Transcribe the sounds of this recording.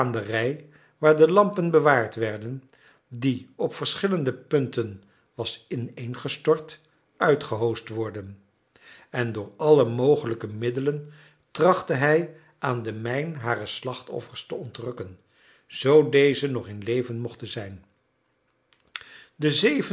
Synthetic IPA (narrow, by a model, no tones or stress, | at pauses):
ndərɛj | ʋaːɹdəlɑmpənbəʋaːɹtʋɛɹdən | diɔpfəɹsχɪləndəpɵntən | ʋɑsɪnejnχəstɔɹt | ʔœɥtχəɦowstʋɔɹdən | ɛndʊːɹɑləmowχələkəmɪdələn | trɑχtəɦɛj | ʔaːndəmɛjnɦaːrəslɑχtɔ̰fəɹstəɔntrɵkən | z̥owdejzənɔχɪnlejvənmɔχtənzɛjn | dəzevə